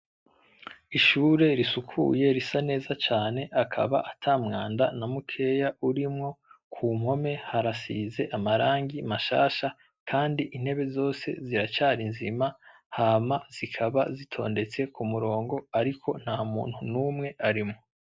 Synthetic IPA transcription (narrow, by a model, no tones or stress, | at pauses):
iʃuːɾe̞ɾisukʰṵje̞ɾisane̞ːzat͡ʃaːne̞ʔakʰa̰βa̰ʔatʰaːmŋaːnda̰namukʰe̞jaʔuɾimŋo̞kʰuːm̥ho̞me̞haɾasiːze̞ʔamaɾaːŋɡimaʃa̰ːʃa | kʰaːndiʔin̥he̞βe̞zo̞ːse̞̰ziɾat͡ʃaːɾinzima | haːmaz̥ikʰaβa̰zitʰo̞̰ːnde̞t͡se̞kʰumuɾo̞ːŋɡo̞aɾikʰo̞n̥haːmṵːn̥hunuːmŋe̞aɾimŋo